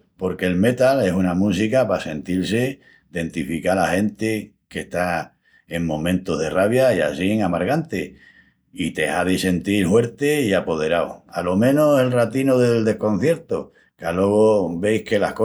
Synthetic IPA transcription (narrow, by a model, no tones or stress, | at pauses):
po̞ɾke̞ːlme̞t̪ale̞sunamusikapase̞nt̪ilse | d̪e̞nt̪ifikalahe̞nt̪e | ke̞ht̪a | eŋmõ̞mẽnt̪oɦðe̞raβjaia̰siŋamaɾɣant̪e | it̪e̞̰haðise̞nt̪iɾhwe̞ɾt̪eiapo̞ð̞e̞ɾawoalo̞mẽ̞nose̞lrat̪inoðeld̪e̞hko̞n̟θje̞ɾt̪o | kalo̞ɣ̞obe̞jhke̞lahko